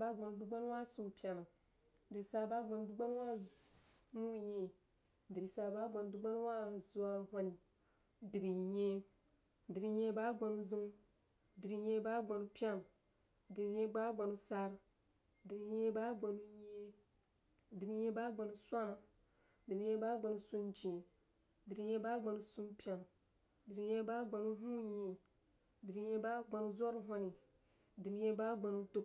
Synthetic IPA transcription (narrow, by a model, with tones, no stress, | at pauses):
ba˦ɡ͡ba˨nu˨du˦ɡ͡ba˦n˦wa˦su˨pʲa˨na˨ | di˨i˨sa˨ɾba˦ɡ͡ba˨n˨du˦ɡ͡ba˦n˦wa˦ | nu˦je˨ | di˨ɾi˨sa˨ɾba˦ɡ͡ba˨n˨du˦ɡ͡ba˦n˦wa˦zu˦a˦ɾhʷa˦ni˨ | di˨ɾi˨je˦ | di˨ɾi˨je˦ba˦ɡ͡ba˨nu˦zi˦ŋ˦ | di˨ɾi˨je˦ba˦ɡ͡ba˨nu˨pʲa˦na˨ | di˨ɾi˨je˦ba˦ɡ͡ba˨nu˨sa˦ɾ | di˨ɾi˨je˦ba˦ɡ͡ba˨nu˦je˦ | di˨ɾi˨je˦ba˦ɡ͡ba˨nu˨sʷa˦na˨ | di˨ɾi˨ɲe˦ba˦ɡ͡ba˨nu˨su˦nd͡ʒĩ˨ | di˨ɾi˨je˦ba˦ɡ͡ba˨nu˨˦su˦mpi˦a˨n˨ | di˨ɾi˨je˦ba˦ɡ͡ba˨nu˦ɦũ˦jĩ˨ | di˨ɾi˨je˦ba˦ɡ͡ba˨nu˦zɔ˦ɾɦo˦ni˨ | di˨ɾi˨˦je˦ba˦ɡ͡ba˨nu˦to˦